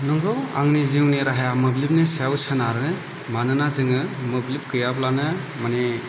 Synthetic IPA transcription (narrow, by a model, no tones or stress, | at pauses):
nɔŋɡɯwaŋniziwneɾaɦajamɯblip̚nɯsawsanaɾɯnɯ | manɯnazɯŋɯmɯblip̚kɯjablanɯ | mane